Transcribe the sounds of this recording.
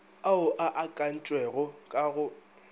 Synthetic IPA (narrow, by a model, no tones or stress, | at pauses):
aʊʔaʔakʼan̩t͡ʃʼwɛɣʊkʼaɣʊ